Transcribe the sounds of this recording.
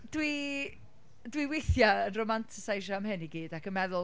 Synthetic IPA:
d̥wi | dwiweθjaənromantʰɪ̥sajʃamɦɛniɡiːdakʰənmɛðʊ

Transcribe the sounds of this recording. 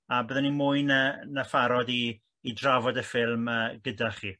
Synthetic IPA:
abəðɛnimʊjnənafaɾɔdiː | dravɔdəfɪlˠməːɡədaχiː

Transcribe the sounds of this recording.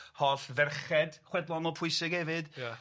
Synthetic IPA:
hɔɬvɛrχɛd̥χwɛdlˠɔnɔpʰʊɨsɪɡɛvɨd̥j

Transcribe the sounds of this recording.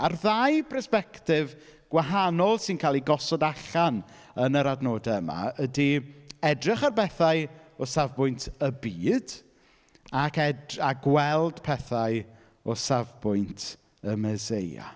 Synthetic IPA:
arðajpʰrɛspɛktɪv | ɡ̥waɦanɔlˠsɪnkʰaːlˠiɡɔsɔdaɬan | ənəɾadnoːdaəma̰ədiɛdrɪχarbɛθaɨɔsavbʊjntʰəbiːd̥ | akɛdaɡwɛlˠd̥pʰɛθaj | ɔsavbʊjntʰ | əməzeja̰

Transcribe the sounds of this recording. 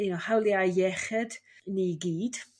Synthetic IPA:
ɪnɔhawlˠiaɛχɛd̥niɡiːd̥

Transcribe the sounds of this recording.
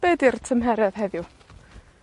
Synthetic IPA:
b̥ɛdirtʰəmɦɛɾɛðɦɛðju

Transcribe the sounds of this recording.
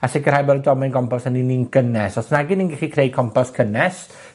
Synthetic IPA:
asɛkʰərhajbɛldɔmɛnɡɔmpɔsanininɡ̥ənɛsɔsnaɡɪninɡɛχikʰrej̚kʰɔmpʰɔskʰənɛs

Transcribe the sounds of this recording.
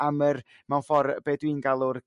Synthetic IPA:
amər | mawnfɔrb̥eːdwinɡalˠʊr

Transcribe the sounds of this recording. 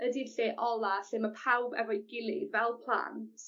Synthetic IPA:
ədiɬeːʔɔlˠaɬɪməpʰawbɛ̰vɔjɡɪlˠivɛlˠpʰl̥ˠa̰ntʰ

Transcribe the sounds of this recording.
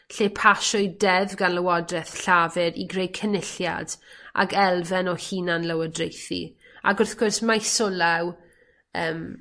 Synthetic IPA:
ɬeːpʰaʃɔɨdɛvɡanləwɔdrɛθɬavɪɾiɡrejkʰənɪɬja̰d̥ʔa̰ɡɛlˠvɛnɔhiːnanləwədrejθḭ | a̰ɡʊrθɡ̥ʊrsmajsʊlaw | əːm

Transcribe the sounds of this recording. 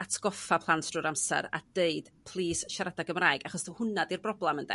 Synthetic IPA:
atʰɡ̥ɔfapʰlˠantʰruːɾamsɛ̰ɾa̰d̥eɨd̥pʰlˠiːsʃaɾadaɡəmraːɨɡaχɔsduhʊnadirbrɔblˠɛməndɛ̰

